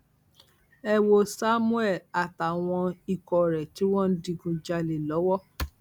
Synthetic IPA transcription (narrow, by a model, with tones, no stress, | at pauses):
ɛ˧wo˨sa˦mu˦ɛ˦˨la˨ta˨w̃ɔ̃˧i˧kɔ˨ɾɛ˨ti˨˦w̃ɔ̃˦n̩˦di˧ɡũ˧d͡ʒa˧le˨lɔ˨˦wɔ˦